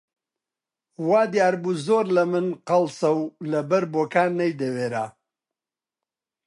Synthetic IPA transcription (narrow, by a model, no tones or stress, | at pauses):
waːd̪ijaːɾbuzoːɾlɐmɨnqɐlsɐwlɐbɐɾboːkaːnːɐjd̪ɐweːɾa̰ː